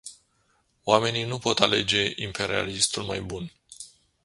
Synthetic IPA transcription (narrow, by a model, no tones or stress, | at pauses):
oame̞ninupo̞t̪ale̞d͡ʒe̞ʔimpʰe̞ɾia̰list̪ulmajbun